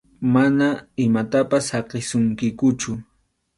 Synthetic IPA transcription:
manaɪmat̪apashɑqɪsʊŋkɪkʊt͡ʃʊ

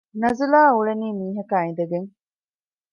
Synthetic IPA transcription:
nɐzulaːuɭeniːmiːɦɐkaːĩd̪ɐɡeŋ

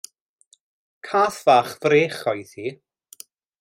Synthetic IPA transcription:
kʰaːθvaːχvreːχɔjθiː

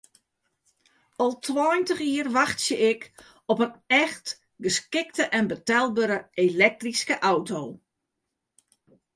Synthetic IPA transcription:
ɔlˠtʰwɔːjntəχiərʋaxtsjəʔɪk | ɔpənɛxt | ɡəskɪktəʔɛnbətɛlˠbəɾəelɛk̚triskəʔawtoː

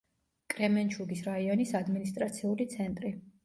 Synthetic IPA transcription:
kʼɾɛmɛnt͡ʃʰuɡisɾaiɔnisad̪minist̪ʼɾat̪sʰiulit̪sʰɛnt̪ʼɾi

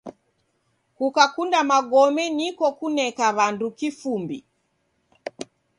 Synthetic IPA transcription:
kukakundamaɡɔmɛnikɔkunɛkaβandukifumbḭ

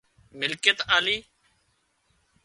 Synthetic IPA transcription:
mɪlket̪aːliː

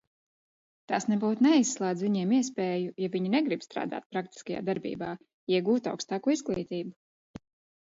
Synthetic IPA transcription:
t̪aːsnɛbuːt̪nɛisːlˠaːd̪zviɲiɛmiɛspɛːjujavʲiɲinɛɡɾibst̪ɾa̰ːd̪a̰ːt̪̚pɾakt̪i̥skaja̰ːd̪aɾbḭːbaː | iɛɡuːt̪a̰wkst̪aːkuizɡlˠiːt̪iːbu

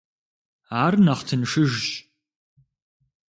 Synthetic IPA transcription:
aːrnɐχtʰɨnʂɨʒɕ

